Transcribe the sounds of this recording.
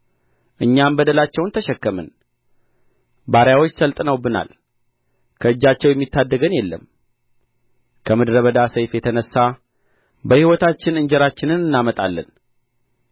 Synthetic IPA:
ʔɨɲːambəd̪əlat͡ʃːɛwnt̪ʰəʃɛkːəmən | baɾjawot͡ʃːsəlt̪ʼnəwbɨna̰l | kʰəɨd͡ʒːat͡ʃːɛwjɛmːit̪ʰːad̪ːəɡənjɛlːə̰m | kʰəmɨd̪ɾəβəd̪asəjfjɛt̪ʰənəsːa | bəhiwɔt̪ʰat͡ʃːɪnɨɲd͡ʒɛɾat͡ʃːɪnɨnɨnːamət̪ʼalːə̰n

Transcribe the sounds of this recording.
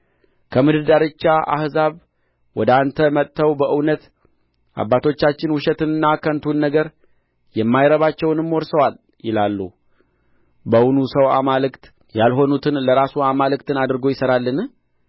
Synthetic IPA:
kʰəmɨd̪ɨd̪aɾɨt͡ʃːaʔa̰hzaβ | wɔd̪ant̪ʰəmət̪ːəwbəʔɨwnət̪ | ʔa̰bːat̪ʰo̞t͡ʃːat͡ʃːɪnwʊʃɛt̪ɨnɨnːakʰənt̪ʰunːəɡəɾ | jɛmːajɾəβat͡ʃːɛwnɨmːoɾsəwal | jɪlalːu | bəwnusəwa̰malɨkt̪ | jalɦo̞nut̪ʰɨnləɾasuamalɨk̚t̪ʰɨnad̪ɨɾɡo̞jɪsəɾalːɨn

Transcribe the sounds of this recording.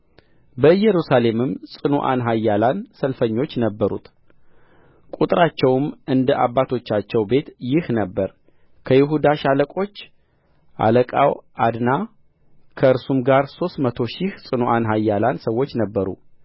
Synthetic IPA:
bəjɛɾusale̞mɨmsʼɨnuʔa̰nɦajːalansəlfəɲːo̞t͡ʃːnəbːəɾṵt̪ | kʼut̪ʼɨɾat͡ʃːɛwmɨnd̪əʔabːat̪ʰo̞t͡ʃːat͡ʃːɛwbe̞t̪jɪhnəbːəɾ | kʰəjɪɦud̪aʃaləkʼo̞t͡ʃː | ʔa̰ləkʼa̰wad̪na | kʰəɨɾsumɡaɾso̞st̪mət̪ʰo̞ʃɪhsʼɨnuʔanɦajːalansəwːo̞t͡ʃːnəbːəɾṵ

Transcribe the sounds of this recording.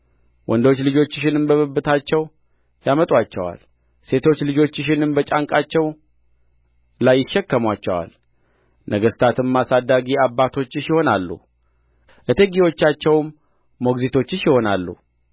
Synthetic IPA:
wʔɔnd̪o̞t͡ʃːlɨd͡ʒo̞t͡ʃːɪʃ̬ɪnɨmbəβəbːɨt̪ʰat͡ʃːɛw | jamət̪ʼwat͡ʃːɛwa̰l | se̞t̪ʰo̞t͡ʃːlɨd͡ʒo̞t͡ʃːɪʃ̬ɪnɨmbət͡ʃʼaŋkʼat͡ʃːɛw | lajːɪʃːɛkːəmwat͡ʃːɛwa̰l | nʔəɡəst̪ʰat̪ʰɨmːasad̪ːaɡiabːat̪ʰo̞t͡ʃːʃɪho̞nalːṵ | ʔət̪ʰeɡiwo̞t͡ʃːat͡ʃːɛwmː | o̞ɡzit̪ʰo̞t͡ʃːɪʃɪho̞na̰lːṵ

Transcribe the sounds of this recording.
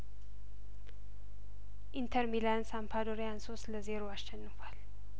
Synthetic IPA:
ʔint̪ʰəɾmilansampʰad̪oɾijanso̞st̪ləzeɾoasʃɛnːɨfal

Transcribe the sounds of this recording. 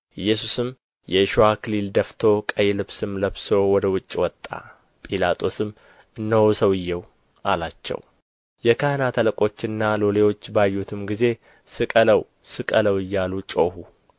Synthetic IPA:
ʔɨjːɛsusɨm | jɛʃuwakʰɨlild̪əft̪ʰo̞kʼəjɛlɨβsɨmləβso̞wɔd̪əwʊt͡ʃʼːwɔt̪ʼːa̰ | pʼilat̪ʼʰo̞sɨm | ɨnːəwsəwɨjːɛw | ʔalat͡ʃːɛ̰w | jɛkʰahnat̪ʰələkʼo̞t͡ʃːɨnːalolewo̞t͡ʃːbajːut̪ʰɨmɡize̞ | sɨkʼələw | sɨkʼələwɨjːalut͡ʃʼo̞hu

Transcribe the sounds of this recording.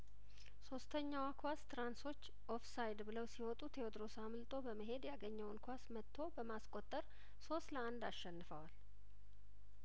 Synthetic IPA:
so̞st̪ʰəɲːawakʰwast̪ʰɾanso̞t͡ʃː | ʔofsajd̪bɨləwsiwɔt̪ʼut̪ʰeod̪ɾo̞samɨlt̪ʼʰo̞bəməɦe̞d̪jaɡəɲːəwnkʰʷasmət̪ʰːo̞bəmaskʼo̞t̪ʼːəɾ | so̞st̪ləand̪aʃːɛnːɨfəwal

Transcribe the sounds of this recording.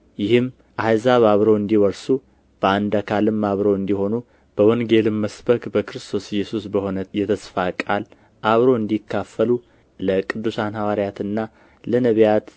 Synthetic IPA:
jɪhɨm | ʔazaβaβɾo̞ɨnd̪iwɔɾsu | b̥əand̪akʰalɨmːaβɾoɨnd̪iho̞nu | b̥əwɔŋɡe̞lɨmːəsbəkbəkɨɾɨst̪ʰo̞sɪjːɛsusbəho̞nəjɛt̪ʰəsfakʼal | ʔaβɾo̞ɨnd̪ikːafːəlu | ləkʼɨd̪ːusanhawaɾijat̪ɨnːa | lənəβjat̪

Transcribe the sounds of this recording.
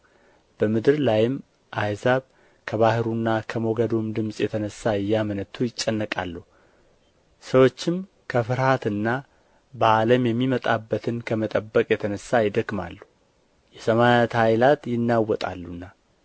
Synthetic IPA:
b̥əmɨd̪ɨɾlajɪm | ʔajzaβ | kʰəβahɨɾunːakʰəmo̞ɡəd̪omd̪ɨmsʼjɛt̪ʰənəsːaɨjːamənət̪ʰːujɪt͡ʃʼːənːəkʼa̰lːəh | səwo̞t͡ʃːɪm | kʰəfɨɾhat̪ɨnːa | baaləmjɛmːimət̪ʼabːət̪ʰɨnkʰəmət̪ʼəbːəkʼjɛt̪ʰənəsːajɪd̪əkːma̰lːu | jɛsəmajat̪hajlat̪jɪnːawɔt̪ʼa̰lːunːa

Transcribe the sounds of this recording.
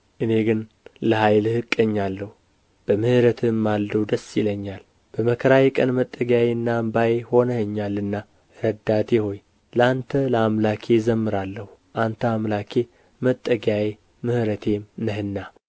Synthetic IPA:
ʔɨne̞ɡɨn | ləɦajlhɨkʼːəɲːalːəhu | b̥əmɨhɨɾət̪ʰɨmːald̪əwd̪əsiləɲːal | b̥əməkʰəɾajɛkʼənmət̪ʼːəɡjajeɨnːambajeho̞nəhɨɲːalːɨnːa | ɾəd̪ːat̪ʰeho̞j | ləant̪ʰələamlakʰe̞zəmːɨɾalːəhu | ʔant̪ʰəamlakʰe̞ | mət̪ʼːəɡaje | mɨhɨɾət̪ʰe̞mnəɦɨnːa

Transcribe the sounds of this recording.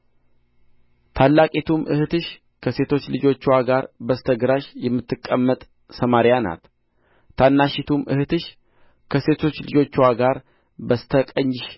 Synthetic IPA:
t̪ʰalːakʼet̪ʰumʔɨhɨt̪ʰɨʃ | kʰəse̞t̪ʰo̞t͡ʃːlɨd͡ʒo̞t͡ʃːwaɡaɾbəst̪ʰəɡɨɾaʃjɛmːɨt̪ːɨkʼːəmːət̪ʼ | səmaɾjana̰t̪ | t̪ʰːanːaʃɪt̪ʰumʔɨ̰hɨt̪ɨʃ | kʰəse̞t̪ʰo̞t͡ʃːlɨd͡ʒo̞t͡ʃːɪwaɡaɾ | bəst̪ʰəkʼəɲːɪʃ

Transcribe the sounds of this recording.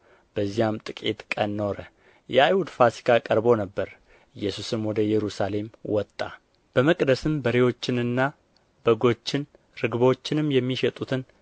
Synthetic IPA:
b̥əzːijamt̪ʼɨkʼe̞̰t̪kʼənːo̞ɾə | jɛajhud̪fasi̥kʰakʼəɾbo̞nəbːəɾ | ɪjːɛsusɨmwɔd̪əjɛɾusale̞mwɔt̪ʼːa̰ | b̥əməkʼd̪əsɨmbəɾewo̞t͡ʃːɪnɨnːa | b̥əɡo̞t͡ʃːɪn | ɾɨɡβo̞t͡ʃːɪnɨmjɛmːiʃɛt̪ʼut̪ʰɨn

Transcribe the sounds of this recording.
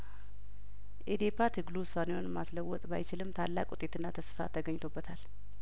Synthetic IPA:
ʔed̪epat̪ʰɨɡlusanihonmːasləwːɔt̪ʼba̰jt͡ʃɪlɨmt̪ʰalːa̰kʼut̪ʼe̞t̪ɨnːat̪ʰəsfa̰t̪ʰəɡəɲːɪt̪ʰo̞bːət̪ʰal

